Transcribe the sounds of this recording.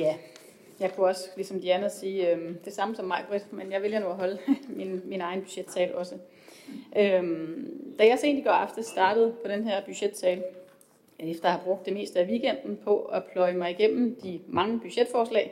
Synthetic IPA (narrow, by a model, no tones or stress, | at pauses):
jæ | jɑ̈ɪkʰuɒ̽səlisɒ̽md̥iænɐsiːød̥e̝sɑ̈məsɒ̽mːɑ̈ɪɡ̥ʁid̥menjɑ̈ɪʋe̝ljɐnoæɦɒ̽ləminminɑ̈ɪnb̥yɕed̥sɛːlɒ̽sə | ʔømd̥æjɑ̈se̝̰ndiɡ̥ɒ̰ɑfd̥əsd̥ɑ̈ːd̥əð̩ˠpʰɒ̽ɾ̥enɦæɐ̰b̥yɕed̥sɛːl | efd̥ɐjɑhɑ̈b̥ʁɔ̽ɡ̥̚d̥ːeme̝̰ːsd̥əæʋiːɡ̥en̰d̥n̩pʰɒ̽æpʰlɒ̽ɪmɑ̈ɪiɡ̥em̰m̩d̥imɑ̈ŋəb̥yɕed̥fɒːslɛ̰ːɪ